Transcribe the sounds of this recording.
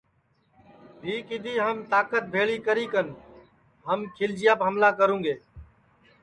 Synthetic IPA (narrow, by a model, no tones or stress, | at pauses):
bʱiːkɪd̪ʱiːɦəmt̪aːkət̪̚bʱeːɭiːkəɾiːkən | ɦəmkʰɪld͡ʒɪjaːpɦəmlaːkəɾũːŋɡeː